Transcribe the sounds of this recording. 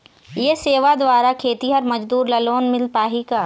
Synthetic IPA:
jeseːʋad̪ʋaːɾakʰeːt̪iɦɐɾmɐd͡ʒd̪uːɾlɐloːnmɪlpaːɦikaː

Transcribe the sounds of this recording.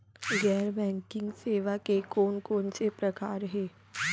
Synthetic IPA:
ɡɛːɾbɛ̃ːŋkɪ̃ŋɡseːʋakekoːnkoːnsepɾəkaːɾɦeː

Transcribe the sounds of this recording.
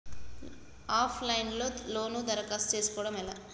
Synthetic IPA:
aːpʰlɐjnlo̞ːlo̞ːnud̪ɐɾɐkaːst͡ʃeːsu̥kɔːʋɽɐmɛlaː

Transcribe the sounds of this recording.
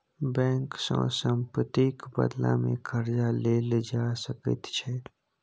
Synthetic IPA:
bɛ̃ːŋksə̰̃sə̃mpət̪ikbə̰d̪lã̰mḛ̃kʰəɾd͡ʒaleːld͡ʒaːsəkə̰t̪t͡ʃʰɛ

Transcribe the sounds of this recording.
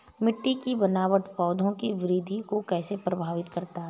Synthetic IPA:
mɪʈːikibɐnaːʋəʈpɔːd̪ʱõkiʋɪɾiːd̪ʱikokɛːsepɾɐbʱaːʋɪt̪kɐɾt̪a

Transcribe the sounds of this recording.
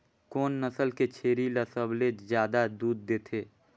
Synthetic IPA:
koːnːəsəlket͡ʃʰeːɾiləsəblezjaːd̪ad̪uːd̪̚ːeːt̪ʰeː

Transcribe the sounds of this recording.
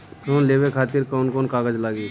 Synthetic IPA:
koːnleːʋekʰaːt̪ɪɾkɔːnkoːnkaːɡəd͡ʒlaːɡiː

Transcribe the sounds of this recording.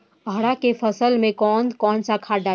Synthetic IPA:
ɦəɽakepʰəsəlmẽkɔːnkɔːnsakʰaɖa

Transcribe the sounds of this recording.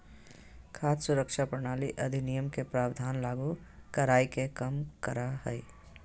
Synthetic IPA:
kʰaːt̪sʊɾəkʃapɾəɽ̃aːliʔɐd̪ʱɪnijəmkepɾaːwd̪ʱaːnlaːɡukɐɾaːikekɐmkɐɾahɛi

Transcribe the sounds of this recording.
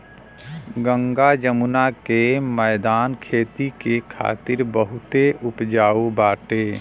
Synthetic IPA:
ɡə̃ŋɡad͡ʒəmʊnakemɛːd̪aːnkʰeːt̪ikekʰa̰ːt̪ɪɾbəɦʊt̪eʊpd͡ʒaːubaːʈeː

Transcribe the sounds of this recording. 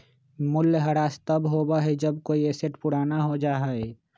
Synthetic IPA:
mʊlːɦɐɾaːst̪əbɦoːbaɦɛd͡ʒəb̚koːieseʈpʊɽaːnaɦod͡ʒaːɦaɛ

